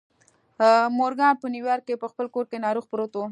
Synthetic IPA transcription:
moɾɡɑnpəniwjɑɾkepəxpəlkoɾkenɑɾuxpɾot̪o

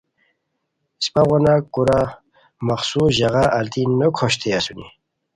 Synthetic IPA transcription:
spaʁɔnakuɾa | maχsuʑaɣaʔːlt̪innokʰoɕt̪ʰeasunḭ

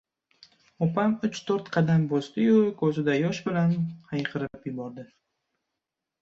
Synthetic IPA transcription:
opʰamʊt͡ʃt̪ʰɵɾt̪qʰɑd̪ambosd̪ɪjʊkʰɵzɪd̪ajɒʃbɪlanhajqʰɨɾɪpjʊbɒɾd̪ɪ

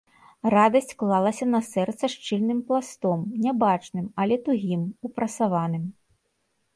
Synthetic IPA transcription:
rad̪ɐsʲt͡sʲklˠalˠɐsʲɐnɐsɛrt̪sɐʂt͡ʂɨlʲnɨmplˠast̪ɔmnʲɛbat͡ʂnɨmɐlʲɛt̪uɣʲimupɾɐsavanɨm

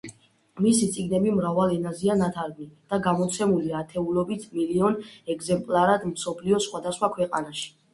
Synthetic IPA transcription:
misit̪sʼiɡnɛbimɾavalɛnazianat̪ʰaɾɡnid̪̥aɡamɔt̪sʰɛmuliat̪ʰɛulɔbit̪ʰmiliɔnɛɡzɛmpʼlaɾad̪msɔpʰliɔsχwad̪asχwakʰwɛqʼa̰naʃi̥

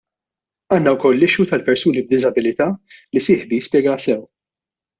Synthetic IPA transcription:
ɐːnːɐwkɔlːɪʃut̪ɐlpɛɾsuːnib̚d̪ɪzɐbɪlɪt̪ɐːlisɪːħbijɪspjɛːɡɐsɛw

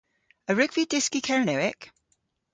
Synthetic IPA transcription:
əɹʉɡv̥idɪskikʰɛɹənəɪk

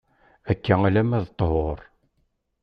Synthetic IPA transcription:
ækːæŋælæmæðt̪ˤːəɦoɾˤ

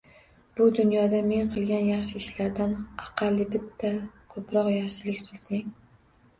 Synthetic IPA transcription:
b̥ʊd̪ʊnjɒd̪ame̞nqʰɨlˠɡʲanjaχʃɪɪʃlaɾd̪anɑqʰɑlˠːɪbɪt̪ʰːakʰɵpɾɒqjaχʃɪlɪkʲqʰɨlˠsɪŋ

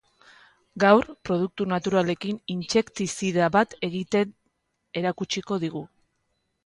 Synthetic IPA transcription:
ɡawɾpɾo̞ð̞uk̚t̪unat̪uɾale̞kinint͡ʃe̞kt̪isiðaβat̪e̞ɣit̪e | e̞ɾakut͡ʃiko̞ðiɣu

